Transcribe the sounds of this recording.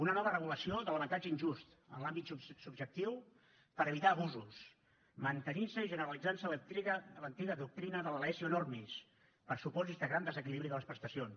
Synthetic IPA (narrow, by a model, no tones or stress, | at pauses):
unənɔβərəɣuləsioðələβənt̪ad͡ʒəinʲʒust̪ | ə̰nlambit̪susubʒək̚t̪iw | pəɾəβit̪aːβuzus | mənt̪əninsəiʒənəɾəlid͡zansələt̪ɾiɣələnt̪iɣəðuk̚t̪ɾinəðələlɛsiunormis | pəɾsupɔzizðəɣɾand̪əzəkiliβɾiðələspɾəst̪əsions